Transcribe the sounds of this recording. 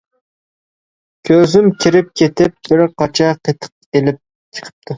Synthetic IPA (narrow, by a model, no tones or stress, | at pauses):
kʲʰøzɪmkʲʰiɾɪp̚kʲʰet̪ʰɪp̚b̥ɪɾqʰɑt͡ʃʰɑqʰet̪ʰə̥q̚elɪp̚ | t͡ʃʰə̥qʰə̥p̚t̪ʰu